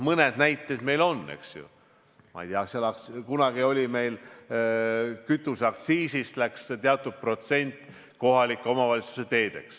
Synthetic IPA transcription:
mɤne̞d̪̥næjt̪ːˑed̪me̞jlo̞nːe̞̰ksjṵ | mɑ̰ijt̪eɑkselɑkkunɑɡ̥io̞lʲime̞jl | kyt̪ːˑusɑkt̪siːsist̪lækst̪eɑt̪ːˑud̪̥̚pro̞t̪se̞nʲt̪ˑ | ko̞ɦɑlikːˑeo̞mɑvɑlʲit̪su̥set̪e̞ːd̪̥e̞̰ks

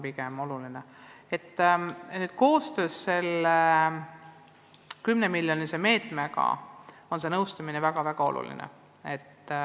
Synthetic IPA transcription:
pikɛmo̞lulinee̞t̪ːnyːd̪̥̚ko̞ːst̪ø̞ːsːe̞le | kymne̞milʲjo̞niseme̞ːt̪ˑmeɡɑ̰ | o̞nse̞nɤwst̪ɑminevæɡ̥ɑvæɡ̥ɑo̞̰lʔṵlḭnḛ | e̞t̪ː

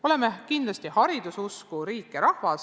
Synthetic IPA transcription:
o̞le̞mekind̪lɑst̪ihɑɾid̪̥ususkuɾiːkːˑeɾɑhvɑs

